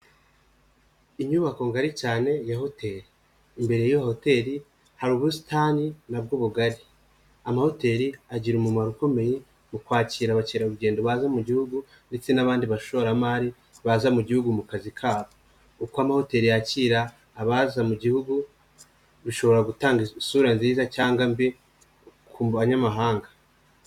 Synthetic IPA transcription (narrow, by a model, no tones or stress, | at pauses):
iɲuβako̞ŋɡaɾit͡ʃaːne̞jaho̞te̞ːɾiː | mbe̞ɾejajoho̞te̞ɾi | haɾuːβusi̥taːninab̚ɡuβuɡaɾi | amaho̞te̞ɾiaɟiɾumumaɾuko̞meji | mukwaːciːɾaβaciːɾauɾuɡe̞ːndoβazamuɟihuɡu | nde̞t͡se̞naβaːndiβaʃo̞ɾamaːɾi | βazamuɟihuɡumukazikʰaːβo | ukoamaho̞te̞ːɾijaciːɾaː | βazamuɟihuɡu | βiʃo̞βo̞ɾaɡutaːŋɡisuɾanziːzacaːŋɡambe | kkʰumaɲamaɦaːŋɡa